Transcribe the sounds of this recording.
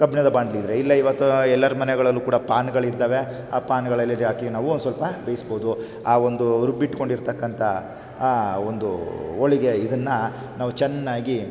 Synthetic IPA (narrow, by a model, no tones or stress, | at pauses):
kɐbʱinɐd̪ɐbaːɳɖɐlid̪ɾeilːɐiʋɐt̪ːuɛlːɐɾumɐnɛɡɐɭɐlːuːkuːɽɐpaːnɡɐɭid̪ːaːʋe | aːpaːnɡɐɭɐlːɐɾaːkinaːʋuonusʋɐlpɐbejisboːd̪u | aːond̪uɾubːiʈko̞ɳɖiɾt̪ɐkːɐnt̪ʰɐ | ond̪ṵoɭiɡe̞id̪ɐnːɐ | naːʋut͡ʃɛnːaːɡi